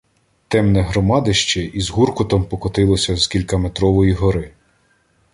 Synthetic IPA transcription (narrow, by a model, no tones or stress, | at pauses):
t̪ɛmnɛɦɾɔmɑd̪ɪʃt͡ʃɛizɦurkɔt̪ɔmpɔkɔt̪ɪlˠɔsʲɐzkʲilʲkɐmet̪ɾɔʋɔjiɦɔɾɪ